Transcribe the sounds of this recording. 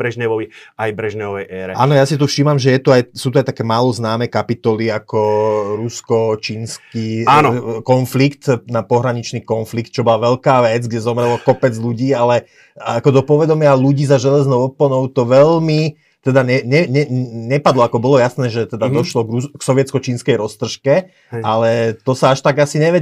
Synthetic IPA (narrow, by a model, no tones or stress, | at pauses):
bɾɛʒɲɛʋɔʋiajbɾɛʒɲɛʋɔʋɛjʔɛːɾɛʔa̰ːnɔjasit̪ufʃimamʒɛjɛt̪uajsuːt̪̬uajt̪akɛːmaːlɔznaːmɛːkapit̪ɔliakɔɾuskɔt͡ʃiːnskiːanɔkɔnflikt̪napɔɦɾaɲit͡ʃniːkɔnflik̚t̪̚t͡ʃɔbɔlaʋɛlkaːʋɛd͡zɡɟɛzɔmɾɛlɔkɔpɛd͡zluɟiːalɛ | akɔd̪ɔpɔʋɛd̪ɔmɪaluɟiːzaʒɛlɛznɔʊɔplɔnɔʊt̪ɔʋɛlmi | t̪ɛd̪aɲɛɲɛɲɛɲɛpad̪lɔakɔbɔlɔjasnɛːʒɛt̪ɛd̪ad̪ɔʃlɔɡɾuksɔʋjɛt͡skɔt͡ʃiːnskɛjɾɔst̪r̩ʃkɛ | alɛt̪ɔsaaʃt̪aɡasiɲɛʋɛ